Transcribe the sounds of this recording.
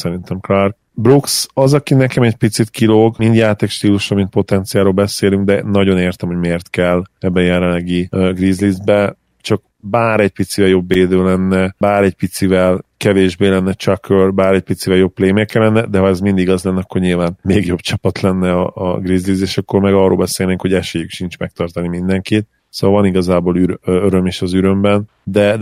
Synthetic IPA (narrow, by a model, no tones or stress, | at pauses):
sɛɾint̪ɛmklark | bruksɒzɒkinɛkɛmɛɟpit̪sit̪kiloːɡmind̪jaːt̪eːkʃt̪iːluʃromint̪po̞t̪ɛnt̪sijaːɾoːlbɛseːlyŋɡd̪ɛnɒɟo̞neːrt̪ɛmho̞ɟmeːrt̪kɛlːɛbːɛːjɛlɛlːɛɡiɡriːzlizbɛ | t͡ʃɒk | baːɾɛc̚pit̪sivɛljo̞bːeːd̪øːlɛnːɛbaːɾɛcpit̪sivɛlkɛveːʒbeːlɛnːɛt͡ʃɒkørbaːɾɛc̚pit̪sivɛljo̞ppːleːmɛkːɛlɛnːɛd̪ɛɦɒɛzmind̪iɡɒzlɛnːɒkːo̞rɲilvaːnmeːɡjo̞bt͡ʃɒpɒt̪lɛnːɛɒːɡriːzlizeːʃɒkːo̞rmɛɡɒrːoːlbɛseːlneːkho̞ɟɛʃeːjykʃint͡ʃmɛk̚t̪ɒrt̪ɒnimind̪ɛŋkit̪ | soːɒlvɒniɡɒzaːboːlyɾøøɾø̞meːʃɒzyɾø̞mbɛn | d̪ɛ